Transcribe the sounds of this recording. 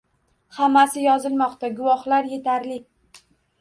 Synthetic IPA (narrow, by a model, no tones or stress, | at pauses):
hamːasɪjɒzɪlmɒqt̪aɡʊvɒχlaɾje̞t̪ʰaɾlɪkʲ